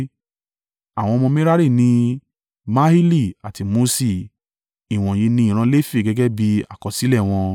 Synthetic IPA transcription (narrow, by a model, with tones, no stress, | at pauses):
a˨w̃ɔ̃˧mɔ̃˧mĩ˦ɾa˦ɾi˦˨nĩ˧ | ma˦hi˦li˦˨a˨ti˨˧mo˧si˦˨ | i˨w̃ɔ̃˨je˨˧˦nĩ˧ĩ˨ɾ̃ã˧˦le˦fi˦˨ɡɛ˨˧ɡɛ˦bi˧a̰˨kɔ˨si˨˦lɛ˦˨w̃ɔ̃˧